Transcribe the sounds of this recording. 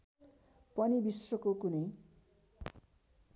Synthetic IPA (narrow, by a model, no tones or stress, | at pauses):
pʌnibisrʌkokunʌj